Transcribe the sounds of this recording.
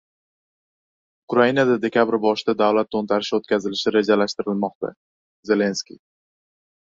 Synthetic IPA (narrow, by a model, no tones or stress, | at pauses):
ʊkɾainad̪ad̪e̞kʲʰabɾbɒʃɪd̪ad̪avlat̪̚ːont̪ʰaɾɪʃot̪̚kʲazɪlɪʃɪɾe̞d͡ʒalaʃt̪ɪɾɪlmɒqt̪a̰ | ze̞le̞nskʲḭ